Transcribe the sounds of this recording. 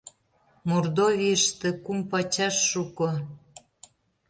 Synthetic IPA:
mord̪ovʲiəʃt̪ĕkumpɑt͡ɕɑʃːuko

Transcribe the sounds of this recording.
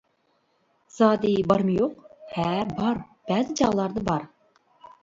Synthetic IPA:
z̥ɑːd̪ibɑɾmɨjoqhæbɑɾb̥æːzɪd͡ʒɑʁlˠɑɾd̪əbɑɾ

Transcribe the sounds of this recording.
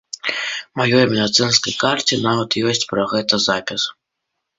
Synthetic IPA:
majɔjmʲɛd̪at̪sɨnskɐjkart͡sʲinavɐt̪jɔsʲt͡sʲpɾɐɣɛt̪ɐzapʲis

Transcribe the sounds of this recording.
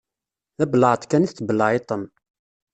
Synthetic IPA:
θæbələʕət̪ˤkæniθbəlːəʕet̪ˤən

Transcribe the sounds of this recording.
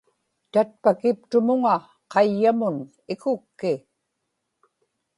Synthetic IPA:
t̪at̪̚pakɪp̚t̪ʊmʊŋa | qɑjːamʊn | ɪkʊkːɪ

